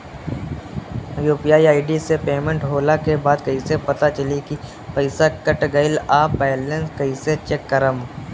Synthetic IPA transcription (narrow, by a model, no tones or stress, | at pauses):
juːpijaːiaːɪɖisepeːmẽɳʈɦoːlakebaːd̪kɐisepɐt̪at͡ʃɐliki | pəɪsakəʈɡəɪlaːpːɛːlenskɐiset͡ʃekːəɾəm